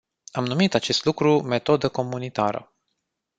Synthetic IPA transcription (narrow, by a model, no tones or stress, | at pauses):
amnumit̪at͡ʃe̞st̪lukɾume̞t̪o̞d̪əko̞munit̪aɾə̰